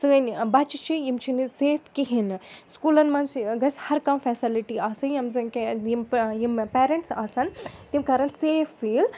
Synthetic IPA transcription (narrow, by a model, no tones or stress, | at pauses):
sɨɐnbɐt͡ʃit͡ʃʰijimt͡ʃʰiniseːfʰkiɦinskulɐnmɐnt͡ʃɡɐsʲhɐɾkɐmfɛːsiliʈiaːsɨnjɐmzɐnkejimjimpeːɾeɳʈsaːsɐnt̪imkɐːɾɐnseːfːiːl